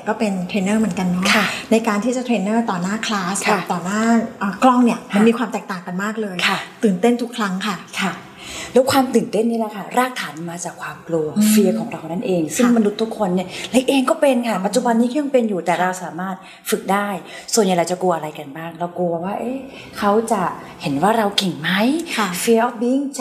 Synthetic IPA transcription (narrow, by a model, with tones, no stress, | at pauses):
kɔː˥˩pe˧nt̪ʰɾeː˧nːɤː˥˩mɯ˩˦ənka˧nːɔ˦˥kʰa˥˩na˧jkaː˧nt̪ʰiː˥˩t͡ɕa˨˩t̪ʰɾeː˧nːɤː˥˩t̪ɔː˨˩naː˥˩kʰlaː˦˥sʰa˧˥˩t̪ɔː˨˩naː˥˩ʔəː˨˩klɔ˥˩ŋni˥˩ɐma˧nmiː˧kʰwaː˧mt̪ɛː˨˩k̚t̪aː˨˩ŋka˧nmaː˥˩k̚lɤː˧jkʰa˧˥˩t̪ɯː˨˩nt̪e˥˩nt̪ʰu˦˥kʰɾa˦˥ŋkʰa˥˩kʰa˧˩ | lɛː˦˥wkʰwaː˧mt̪ɯː˨˩nt̪e˥˩nːiː˦˥˩na˦˥kʰa˥˩ɾaː˥˩k̚t̪ʰaː˩˦n˧maː˧t͡ɕaː˨˩kʰwaː˧mklu˧ɐfi˧ɐkʰɔː˩˦ŋɾa˧wna˥˩nʔeː˧ŋsɯ˥˩ŋma˧nu˦˥t̪ʰːu˦˥kʰo˧nːi˥˩le˦˥k̚ʔeː˧ŋkɔː˥˩pe˧nkʰa˥˩pa˨˩t̪̚t͡ɕu˨˩ba˧nːiː˦˥kʰa˥˩ja˧ŋpe˧njuː˨˩t̪ɛː˨˩ɾa˧wsaː˩˦maː˥˩t̪̚ | fɯ˨˩k̚daː˥˩jsu˨˩ənja˨˩ɾa˧wt͡ɕa˨˩ku˧ɐʔa˧ɾa˧jka˧nbaː˥˩ŋɾa˧wku˧waː˥˩ʔeː˦˥˩ | kʰa˦˥wt͡ɕa˨˩ | he˩˦nwaː˥˩ɾa˧wki˨˩ŋma˦˥jʰfi˧əʔɔː˦˥˩f̚bi˧˥˩ŋt͡ɕ